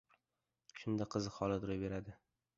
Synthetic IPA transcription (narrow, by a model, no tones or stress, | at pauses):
ʃʊnd̪aqʰɨzɨhɒlˠɪd̪ʊɾojbe̞ɾad̪ɪ